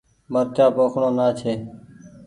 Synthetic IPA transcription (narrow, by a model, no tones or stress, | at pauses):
məɾt̪jaːpoːkʰɳõːnaːt͡ʃʰeː